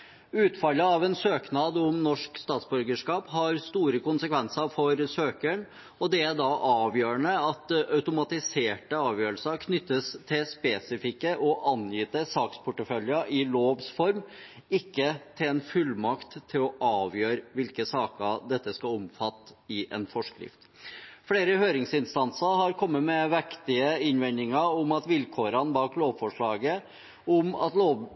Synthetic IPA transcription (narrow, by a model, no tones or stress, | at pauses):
ʉːt̪fɑləɑʋɛnsøːknɑːd̪ʊmnɔʂkst̪ɑːt̪sbʉɾɡəʂkɑːpɦɑɾst̪uːɾəkʊnsəkʰʋɛnsəɾfɔɾsøːkəɳ | ɔd̪ɛæɖ̪ɑʔɑːʋjøːəɳəɑt̪œʉt̪ʊmɑt̪ɪseːʈəɑːʋjøːɾəlsəɾkʰnʏt̪ːəst̪ʰɪlspeːsɪfɪkːəʔɔʔɑnjiːt̪əsɑːkspʰʊʈːəfœljəʔɪloːʋsfɔɾm | ɪkːət̪ʰɪɛnfʉlːmɑkt̪ʰːɪlɔʔɑːʋjøːɾʋɪlkəsɑːkəd̪ɛt̪ːəskɑʊmfɑt̪ːɪʔɛ̰nfɔʂkɾɪ̰ft̪ | fɽeːɾəhøːɾɪŋsɪnst̪ɑnsəɾhɑɾkʰɔmːəmɛʋɛkt̪ɪəɪnʋɛnd̪ɪŋɑɔmɑt̪ʋɪlkʰoːɾənbɑːkloːʋfɔʂɭɑːɡə | ʊmɑ̰t̪loːʋ